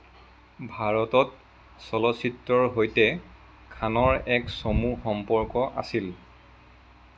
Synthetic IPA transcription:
bʱaɹɔtɔt | sɔlɔsitːɹɔɹɦojtɛ | kʰanɔɹɛksomuxɔmpɔɹkɔʔa̰sil

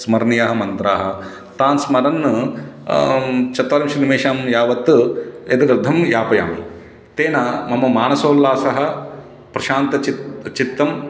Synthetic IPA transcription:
smɐɾnijaːɦɐmɐnt̪ɾaːɦɐ̆ | t̪aːnsmɐɾɐnː | t͡ʃɐt̪ʋaːɾɐmʃɾinimeːʃaːmjaːʋɐt̪ːet̪ɐɾɐɾd̪ʱɐmjaːpɐja̰ːmḭ | t̪eːnaːmɐmɐmaːnɐsoːlːaːsɐɦɐ̆ | pɾɐʃaːnt̪ɐt͡ʃit̪t͡ʃit̪ːɐm

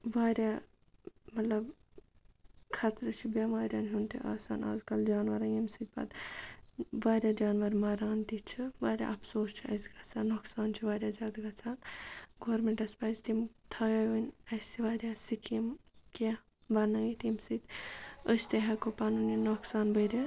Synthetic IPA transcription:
ʋaːɾʲja | mɐt̪lɐb | kʰɐt̪ɾɨt͡ʃʰibamaːɾʲjaːnɦunt̪iʔa̰ːsa̰ːna̰ːzkɐld͡ʒaːnʋɐɾɐjimsɨt̪̚ʲpɐ̰d̪ | ʋaːɾʲjaːd͡ʒaːnʋɐɾmɐːɾaːnt̪it͡ʃʰɨʋaːɾʲja̰ʔɐpsoːst͡ʃʰiɐ̰sɡɐt͡sʰaːnːoksaːnt͡ʃʰiʋaːɾʲjaːzʲaːd̪ɡɐt͡sʰaːnɡoːɾmeɳʈɐspaːzt̪imt̪ʰɐjɐʋənʲɐsiʋaːɾʲjaːsikʰimka | ʋɐnɐjit̪imsɨt̪əst̪eɦɐkopanuninoksaːnbəɾʲa

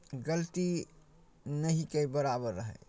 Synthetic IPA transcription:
ɡəlt̪i | nɐɦikebəɾabəɾːəɦɛ̰ː

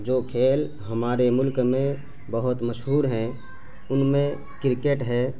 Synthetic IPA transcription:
d͡ʒoːkʰeːl | ɦɐmaːɾemʊlkmẽ | bəɦʊt̪məʃɦuːɾɦɛ̃ | ʊnmẽ | kɪɾkeʈɦɛː

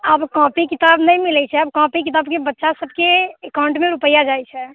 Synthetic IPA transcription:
əbkɔ̃pikit̪abnəjmilɛt͡ʃʰɛəbkɔ̃pikit̪abkebətːʃasəbʱkeːkaʊ̃ɳʈmeɾupəjad͡ʒajt͡ʃʰɛ

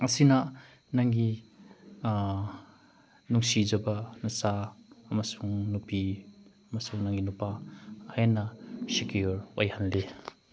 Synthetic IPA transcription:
ɐsinɐ | naŋɡi | nuŋsid͡ʒɐbɐnɐsaːmɐsuŋnupi | ɐmɐsuŋnaŋɡinupahajanːɐsekiuɾojhanle

